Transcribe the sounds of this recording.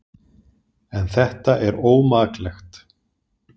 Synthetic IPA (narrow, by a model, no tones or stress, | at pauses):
ɛnθɛht̪aʔɛɾoːwmaːklɛxt̪